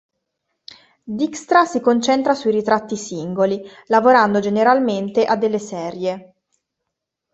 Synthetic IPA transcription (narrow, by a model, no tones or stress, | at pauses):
d̪ikst̪ɾasikont͡ʃɛnt̪ɾasuiɾit̪ɾat̪ːisiŋɡoli | lavoɾand̪od͡ʒeneɾalment̪eʔad̪ːelːesɛɾje